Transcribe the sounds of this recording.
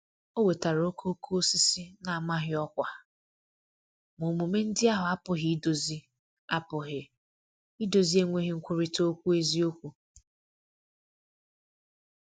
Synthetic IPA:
o˦we˨ta˨ɾo˦kʰo˦kʰo˦o˦si˦si˦na˨a˨ma˦ɦɪ˦ɔ˦kʷa˨ | mo˨mu˨me˦n̩˦dɪ˦a˦ɦʊ˨a˦pʊ˨ɦɪ˦i˦do˨zi˦ | a˦pʊ˨ɦɪ˨ | i˦do˨zi˦e˦ŋʷe˦ɦɪ˨˦ŋ̩˦kʷʊ˦ɾɪ˦to˦kʷu˦e˦zi˦o˦kʷu˦

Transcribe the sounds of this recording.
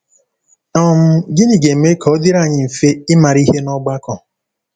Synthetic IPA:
ɔ˦m̩˦ɡɪ˦ni˨ɡe˨me˦kʰɔ˨˦dɪ˦ɾa˦˨ɲɪ˦m̩˨fe˦ɪ˦ma˨ɾi˦ɦe˦nɔ˦ɡ͡ba˦kɔ˨

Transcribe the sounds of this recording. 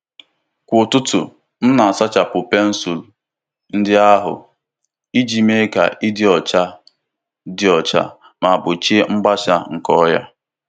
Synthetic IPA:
kʷʊ˨tʊ˦tʊ̰˨ | n̩˦na˨a˨sa˦t͡ʃa˨pʊ˨pe˦n̩˦su˨l | n̩˦dɪ˦a˦ɦʊ̰˨ | i˦d͡ʒi˨me˦ka̰˨ʔi˦dɪ˦ɔ˨t͡ʃa˦ | dɪ˦ɔ˨t͡ʃa̰˦ | ma˨bʊ˨t͡ʃe˦ŋ͡m̩˦ɡ͡ba˦ʃa˦ŋ̩˨kɔ˦ja̰˦

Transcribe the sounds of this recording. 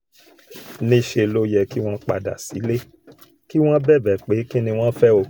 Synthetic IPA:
nĩ˦ʃe˧lo˦jɛ˧ki˦w̃ɔ̃˦k͡pa̰˧˨da̰˨si˨˦le˦ | ki˦w̃ɔ̃˦bɛ˦˨bɛ˨k͡pe˨˦ki˦nĩ˧w̃ɔ̃˦fɛ˦o˧

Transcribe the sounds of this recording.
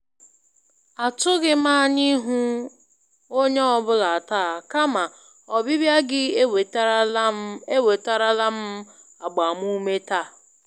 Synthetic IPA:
a˨tʊ˦ɡɪ˦ma˦˨ɲi˦ɦu˦ | o˦ɲe˦ɔ˦bʊ˦la˨a˨taː˦˨a˨ka˦ma˨ | ɔ˨bɪ˦bja˦ɡɪ˦˨ | e˦we˨ta˦ɾa˦la˦m̩˦ | a˨ɡ͡ba˨m˦u˦me˦ta˦˨

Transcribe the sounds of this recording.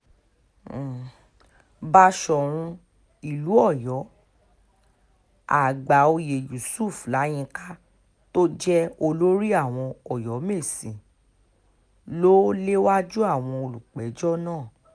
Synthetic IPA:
ba˧ʃɔ˨ɾ̃ũ˧ | i˨lu˨˦ɔ˦˨jɔ˨˦ | a̰˨ɡ͡ba˨o˧je˨ju˨su˦˨fla˨˦j̃ĩ˧ka˦ | to˦d͡ʒɛ˦o˧lo˦ɾi˦a˦˨w̃ɔ̃˧ɔ˨jɔ˨˦me˦˨sĩ˨ | lo˦le˦wa˦d͡ʒu˦a˦˨w̃ɔ̃˧o˧lu˨k͡pɛ˨˦d͡ʒɔ˦nãː˦˨

